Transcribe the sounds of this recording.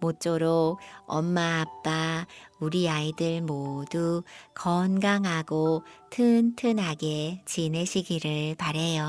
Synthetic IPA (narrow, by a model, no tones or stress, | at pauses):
mot͡ɕ͈oɾoʌmːaːp̚p͈auɾiaidɯɭmodukʌnɡaŋɦaɡotʰɯntʰɯnɦaɡe̞t͡ɕineɕʰiɡiɾɯɭpaɾɦe̞jo